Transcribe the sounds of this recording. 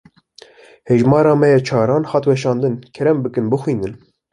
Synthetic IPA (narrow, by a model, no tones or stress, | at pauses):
heʒmɑːɾɑːmɛjɛt͡ʃʰɑːɾɑːnhɑt̪wɛʃɑːnd̪ɨnkʰɛɾɛmbɨkɨnbɨxwiːnɨn